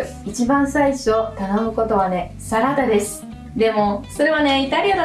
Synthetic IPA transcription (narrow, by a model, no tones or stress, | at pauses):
it͡ɕibãɰ̃saiɕot̪ano̞mɯ̟ko̞t̪o̞β̞ane̞ | saɾat̪ad̪e̞sɨ̥ | d̪e̞mo̞so̞ɾe̞βane̞it̪aɾʲiad̪a